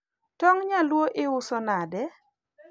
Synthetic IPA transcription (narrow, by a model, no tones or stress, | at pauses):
tɔŋɲalwoʔɪʊsɔnadɛ